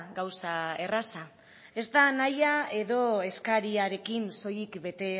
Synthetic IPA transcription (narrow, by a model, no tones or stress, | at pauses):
ɡawsae̞rasa | e̞zd̪anajae̞ðo̞e̞skaɾiaɾe̞kinso̞jikbe̞t̪e̞